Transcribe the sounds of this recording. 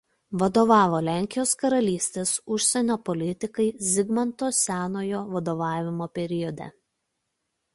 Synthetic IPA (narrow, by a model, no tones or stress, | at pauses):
ʋɐd̪oːʋɑːʋoːlʲæːˑŋʲkʲɪjoːskɐɾɐlʲiːsʲt̪ʲeːsʊʃʲsʲɛnʲoːpɔlʲɪt̪ʲɪkɐɪzʲɪɡmɐnt̪oːsʲæːnoːjoːʋɐd̪oːʋɑːʋʲɪmoːpʲɛɾʲɪjɔd̪ʲɛ̰